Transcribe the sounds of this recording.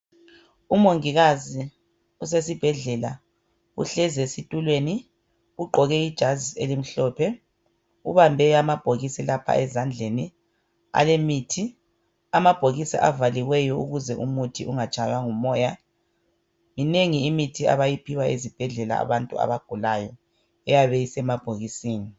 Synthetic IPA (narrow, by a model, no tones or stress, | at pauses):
umoŋiɣazi | us̬esib̥ʱɛɮɛla | ṵɬɛzesitʼulweni | uɡ͡ǃʱɔɣɛid̥ʒ̥ʱazielim̩ɬɔːpʰɛ | uβambʱɛamab̥ʱoɣisilapʰa̰ʔɛzand͡ɮʱeni | a̰lemiːtʰi | amab̥ʱoɣisiʔavaliwɛjɔṵɣuzɛʔumutʰiuŋat͡ʃʼajwaŋumɔːja | mineŋiːmitʰia̰βajipʰiwaezib̥ʱɛɮɛla̰ːβantʼṵa̰βaɡ̥ʱulajɔ | ɛjaβɛisɛmab̥ʱoɣisiːni